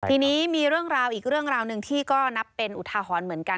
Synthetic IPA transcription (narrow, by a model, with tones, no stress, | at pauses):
t̪ʰiː˧niː˦˥miː˧ɾɯ˥˩əŋɾaː˧wʔiː˨˩k̚ɾɯ˥˩əŋɾaː˧wnɯ˨˧ŋt̪ʰiː˥˩kɔː˥˩na˦˥pːe˧nʔu˨˩t̪ʰaː˧ɦɔː˩˦nmɯ˩˦ənka˧